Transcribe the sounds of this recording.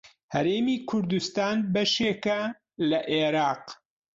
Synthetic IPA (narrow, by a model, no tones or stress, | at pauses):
hɐɾeːmiːkʰʊɾd̪ust̪aːnbɐʃeːkɐ | lɐʔeːɾɑːq